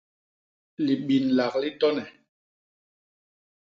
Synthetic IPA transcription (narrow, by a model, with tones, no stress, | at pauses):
li˨ɓi˨nla˨kli˦tɔ˦nɛ˨